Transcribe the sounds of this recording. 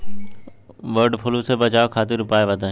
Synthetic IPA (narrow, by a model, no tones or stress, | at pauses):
ʋəɾɖpʰʊlusebət͡ʃaːokʰaːt̪ɪɾʊpaːeʋət̪ã